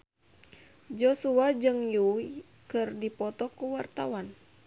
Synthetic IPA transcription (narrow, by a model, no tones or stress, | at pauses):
d͡ʒosuad͡ʒɨŋju | kɨrdipɔt̪ɔkuwart̪awan